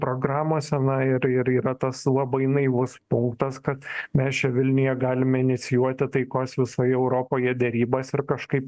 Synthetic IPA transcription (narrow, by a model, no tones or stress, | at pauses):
pɾoːɡɾɑːmoːsʲɛnɐɪɾɪɾiːɾɐt̪ɐslˠɐbɐɪnɐɪʋʊspʊŋkt̪ɐskɐt̪mʲɛst͡ʃʲɛʋʲɪlʲnʲʊjɛɡɑːlʲɪmʲɛɪnʲɪt̪sʲɪjuɔt̪ʲɪt̪ɐɪkoːsʋʲɪsoːjɛʊɾoːpoːjɛd̪ʲɛɾʲiːbɐsɪɾkɐʃkɐɪp